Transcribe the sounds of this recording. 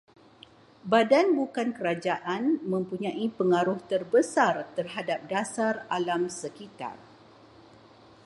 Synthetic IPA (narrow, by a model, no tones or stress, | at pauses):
badanbukankəɾad͡ʒaʔanmə̃mpuɲãʔipəŋaɾʊht̪ərbəsart̪ərɦadap̚dasaralamsəkit̪a̰r